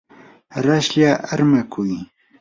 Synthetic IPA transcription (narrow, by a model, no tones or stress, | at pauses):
ɾaʃʎaʔaɾmakʰʊj